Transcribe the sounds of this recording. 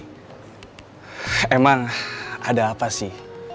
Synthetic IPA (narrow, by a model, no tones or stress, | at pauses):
emaŋadaːpasɪh